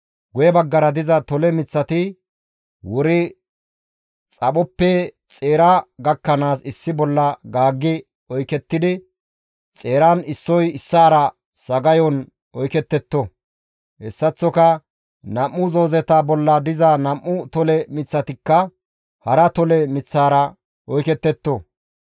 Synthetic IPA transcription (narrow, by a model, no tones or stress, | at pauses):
ɡʊjɛbɐɡːɐɾɐd̪ɪzɐt̪ɔlɛmɪt͡sːɐt̪ɪ | wɔɾɪ | t͡sʼɐɓɔpːɛ | t͡sʼe̞ːɾɐɡɐkːɐnaːsɪsːɪbɔlːɐɡaːɡːɪ | ɔjkɛt̪ːɪd̪ɪ | t͡sʼe̞ːɾanɪsːɔjɪsːaːɾɐ | sɐɡɐjɔn | ɔjkɛt̪ːɛt̪ːɔ | hɛsːɐt͡sːɔkɐ | nɐmːʊzo̞ːzɛt̪ɐbɔlːɐd̪ɪzɐnɐmːʊt̪ɔlɛmɪt͡sːɐt̪ɪkːɐ | hɐɾɐt̪ɔlɛmɪt͡sːaːɾɐ | ɔjkɛt̪ːɛt̪ːɔ